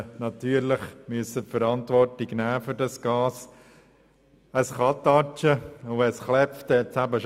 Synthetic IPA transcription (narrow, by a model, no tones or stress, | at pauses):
nɑt̪yːəɾləχmyəsːəpfəɾɑnt̪ʋɔrtiɡnæːfʏɾdɑsɡ̥ɑːs | əsχɑt̪ɑt͡ʃəʊɛsχlɛpft̪ɛt͡sæbəʃ